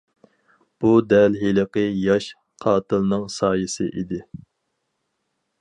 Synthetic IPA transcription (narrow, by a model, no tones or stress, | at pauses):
b̥ud̪ɛlɦiləqəjɑʃ | qʰɑːt̪ʰɨlnɨŋsɑːjɨsɨ̰ʔid̪ɪ